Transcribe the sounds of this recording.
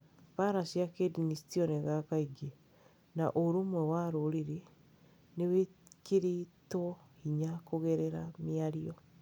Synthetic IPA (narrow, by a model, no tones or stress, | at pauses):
paɾasiakedinistiɔneɣakaiɡe | na̰ʔoɾomwɛwaɾoɾiɾe | newekeɾetwɔhiɲakoɣɛɾɛɾamiaɾiɔ